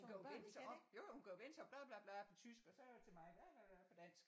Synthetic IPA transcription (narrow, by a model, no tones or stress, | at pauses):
hunkʰæjoʋen̰sʰjojohunkʰæjoʋen̰t͡sʰɒ̽b̥lɑb̥lɑb̥lɑpʰɒ̽t͡sʰysɡ̥ɒ̽sɒt͡sʰe̝mɑ̈ɪb̥læb̥æ̥æfɒd̥æn̰sɡ̥